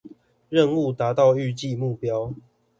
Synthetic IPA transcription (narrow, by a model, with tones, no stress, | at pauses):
ɻə˥˨nu˥˨t̪a˨˦t̪ɑ˥˨ʊy˥˨t͡ɕi˥˨mu˥˨pjɑ˦ʊ